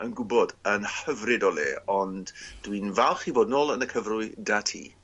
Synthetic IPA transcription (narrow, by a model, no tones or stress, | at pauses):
ənɡʊbɔdənhəvrɪdɔlˠḛːɔndd̥wiːnvalˠχivoːdnoːlˠənəkʰəvrʊɨdatʰḭː